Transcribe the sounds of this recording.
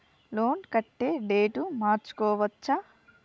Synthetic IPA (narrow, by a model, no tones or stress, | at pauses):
loːnkɐʈːeːɖe̞ːʈumaːɾt͡ʃu̥kɔːʋɐt͡ʃːa